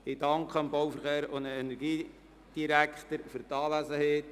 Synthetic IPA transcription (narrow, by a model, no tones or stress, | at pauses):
ɪdɑŋkχəəmbowfəɾχeːɾondəɛnɛɾɡiː | d̥iɾækχt̪əɾfʏɾtɑːlæsəheːt